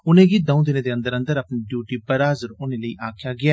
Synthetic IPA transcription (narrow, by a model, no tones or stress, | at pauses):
ʊnẽːɡiːd̪əũːd̪ɪnẽːd̪eːə̃nd̪əɾənd̪əɾəpniɖjuːʈiːbəɾaːzəɾʊnẽːləiːʔaːkʰjaːɡɪaː